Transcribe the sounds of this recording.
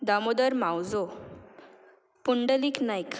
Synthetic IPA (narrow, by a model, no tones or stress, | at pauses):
d̪amod̪əɾmãwd͡zo | puɳɖəliːknajk